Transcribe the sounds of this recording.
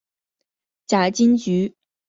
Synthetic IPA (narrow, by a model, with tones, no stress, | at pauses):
t͡ɕa˨˩t͡ɕi˥nt͡ɕy˧˥